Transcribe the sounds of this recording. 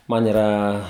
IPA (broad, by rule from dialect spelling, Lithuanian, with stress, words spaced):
ˈmɐn iːˈrɐ